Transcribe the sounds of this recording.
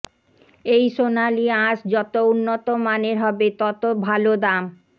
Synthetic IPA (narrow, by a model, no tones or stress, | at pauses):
ejʃonaliãʃd͡ʑɔt̪ounːot̪omaneɾɦɔbet̪ɔt̪obʱalod̪am